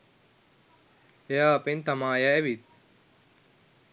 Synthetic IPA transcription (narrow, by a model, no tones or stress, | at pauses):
ejaːɐpent̪amaːjaːʋit̪̚